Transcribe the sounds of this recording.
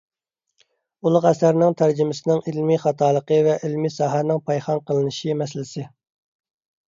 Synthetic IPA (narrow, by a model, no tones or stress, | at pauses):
ulˠʊqæsæɾnɪŋt̪ʰæɾd͡ʒɪmɪsɪnɪŋɪlmiχɑt̪ʰɑːlˠəqəvɛʔilmisɑːɦænɪŋpʰɑjχɑnqʰəlˠɨnɨʃimɛslɪsɪ